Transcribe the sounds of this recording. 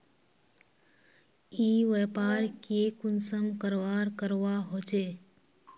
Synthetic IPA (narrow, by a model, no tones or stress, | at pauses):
iːʋɛpaːɾkekʊnsəmkəɾʋaːɾkəɾʋaɦot͡ʃeː